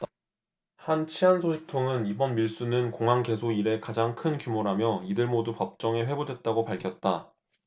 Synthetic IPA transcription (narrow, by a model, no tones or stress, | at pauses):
hant͡ɕʰiɦansʰoɕʰik̚tʰoŋɯnibʌnmiɭs͈unɯnkoŋɦaŋke̞sʰoiɾe̞kad͡ʑaŋkʰɯnkjumoɾɦamjʌidɯɭmodupʌp̚t͡ɕ͈ʌŋe̞ɸwe̞bodwe̞t̚t͈aɡopaɭkʰjʌt̚t͈a